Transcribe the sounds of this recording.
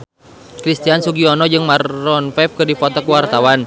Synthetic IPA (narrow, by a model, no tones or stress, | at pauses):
kɾist̪iansuɡiɔnɔd͡ʒɨŋmarːɔnfɛf̚kɨrdifɔt̪ɔkuwart̪awan